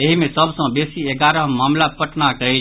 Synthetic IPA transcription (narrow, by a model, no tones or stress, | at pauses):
eɦimẽsəbsə̃besieɡaɾəmaːmlapəʈnakəɦe